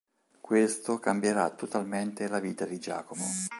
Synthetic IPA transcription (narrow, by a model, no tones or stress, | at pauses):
kwest̪okambjeɾa̰t̪ːot̪alment̪elaviːt̪ad̪id͡ʒa̰ːkomo